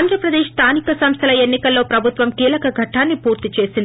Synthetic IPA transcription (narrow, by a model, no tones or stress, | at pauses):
nd̪ʱɾɐpɾɐd̪eːʃst̪ʰaːnikɐsɐmst̪ʰɐlɐenːikɐlːo̞ːpɾɐbʱut̪ʋɐmkiːlɐkɐɡʱɐʈːaːnːipuːɾt̪it͡ʃe̞ːsind̪i